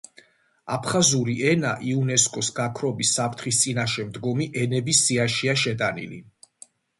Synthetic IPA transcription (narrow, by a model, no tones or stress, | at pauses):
apʰχazuɾiʔɛnaʔiunɛskʼɔsɡakʰɾɔbisːapʰɾt̪ʰχist̪sʼinaʃɛmd̪ɡɔmiʔɛnɛbisiaʃiaʃɛd̪ʼanḭlḭ